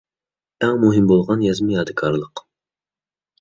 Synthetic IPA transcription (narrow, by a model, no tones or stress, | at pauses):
æŋmuɦɪmbolˠʁɑnjɛzmɪjɑd̪ɨkʰɑɾlˠəq